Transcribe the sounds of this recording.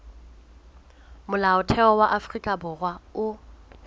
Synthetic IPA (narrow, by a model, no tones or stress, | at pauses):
mʊlaʊtʰɛɔwaʔafrikʼabʊrwaʊ